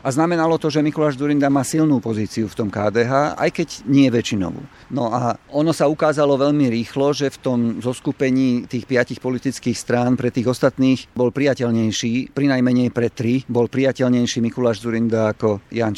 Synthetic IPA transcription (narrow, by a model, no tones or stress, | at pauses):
aznamɛnalɔt̪ɔʒɛmikulaːʒd͡zuɾind̪amaːsilnuːpɔziːt͡siuft̪ɔmkaːd̪ɛːɦaːa̰jkɛɟɲɪɛʋɛt͡ʃinɔ̰ʋṵː | nɔaɔnɔsaukaːzalɔʋɛʎmiɾiːxlɔʒɛft̪ɔmzɔskupɛɲiːt̪iːxpɪacixpɔlit̪it͡skiːxst̪ɾaːnpɾɛt̪iːɣɔst̪at̪niːxbɔlpɾijacɛʎɲɛjʃiːpɾinajmɛɲɛjpɾɛt̪ɾibɔlpɾijacɛʎɲɛjʃiːmikulaːʒd͡zuɾind̪aːkɔjan